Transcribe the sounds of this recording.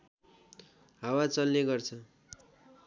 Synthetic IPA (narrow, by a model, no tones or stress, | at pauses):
ɦawat͡sʌlːeɡʌrt͡sʰʌ